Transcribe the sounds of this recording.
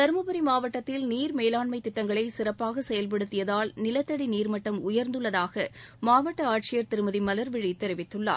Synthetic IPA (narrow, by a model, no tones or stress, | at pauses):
t̪ɐɾmɐbɐɾimaːʋɐʈːɐt̪ːɪlniːɾmeːlaːɳmɐɪt̪ːɪʈːɐŋɡɐɭɐɪsɪɾɐpːaːɣɐsɛjɐlp̬ɐɽɯt̪ːɪjɐðaːlnɪlɐt̪ːɐɽiniːɾmɐʈːɐmʊjɐɾnd̪ɯɭːɐðaːɣɐmaːʋɐʈːɐaːʈ̚t͡ʃɪjɐɾt̪ɪɾɯmɐðimɐlɐɾʋɪɻit̪ːɛɾɪʋɪt̪ːɯɭːa̰ː